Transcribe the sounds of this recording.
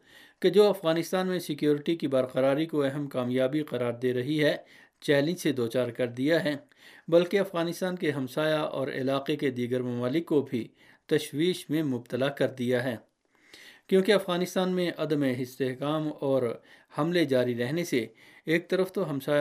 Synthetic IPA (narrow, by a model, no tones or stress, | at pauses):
ked͡ʒoːɐfɣaːnɪst̪aːnmẽsɪkjoːɾɪʈikibaːɾqɐɾaːɾikoɛɦəmkaːmjaːbiqɐɾaːɾd̪eːɾɐɦiɦɛ | t͡ʃɛːlɪ̃sed̪oːt͡ʃaːɾkɐɾd̪ijaɦɛː | bɐlkeɐfɣaːnɪst̪aːnkeɦɐmsaːjaʔɔ̰ːɾɪ̰laːqeked̪iːɡəɾmɐmaːlɪkːobʱi | t̪ɐʃwiːʃmẽmʊb̚t̪əlakɐɾd̪ijaɦɛː | kjõːkeɐfɣaːnɪst̪aːnmẽʔɐd̪əmeɦɪst̪eɦkaːmɔːɾhɐmled͡ʒaːɾiɾɛɦnese | eːk̚t̪ɐɾəft̪oɦɐmsaː